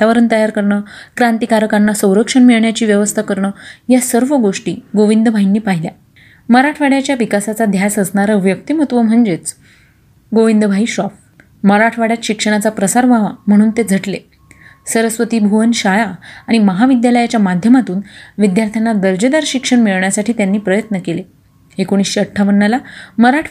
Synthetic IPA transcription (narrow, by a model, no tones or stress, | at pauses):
t̪aʋəɾənt̪əjaɾkəɾɳəːkɾant̪ikaɾkanːasə̃w̃ɾəkʂəɳmiɭɳjat͡ɕiːʋjəʋəst̪ʰakəɾɳəːjasəɾʋəɡoʂʈiːɡoʋind̪əbʱainːiːpaɦilja | məɾaʈʰʋaɽjat͡ɕjaʋikasat͡sad̪ʱjasəsɳaɾəʋjək̚t̪imət̪ʋəm̤əɳd͡ʑet͡s | ɡoʋind̪əbʱaiːɕɔf | məɾaʈʰʋaɽjat̪ɕikʂəɽ̃at͡sapɾəsaɾʋaʋa̰m̤əɽ̃uːnt̪ed͡zʱəʈle | səɾəsʋət̪iːbʱuʋənɕajaːɽ̃iməɦaʋid̪jaləjat͡ɕjamad̪ʱjəmat̪uːnʋid̪jaɾt̪ʰjanːad̪əɾd͡ʑed̪aɾɕikʂəɳmiɭɳjasaʈʰiːt̪janːiːpɾəjət̪nəkele | ekoɽ̃iːsɕeəʈʰːaʋənːəlaməɾaʈʰ